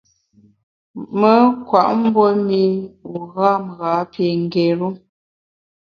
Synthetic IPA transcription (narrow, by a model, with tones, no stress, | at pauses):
mə˨˦kwa˨ʔm̩˦bɔ˦mi˦u˨ɣa˦m˨ɣa˨˦pje˨ŋ˨ɡe˨ɾu˦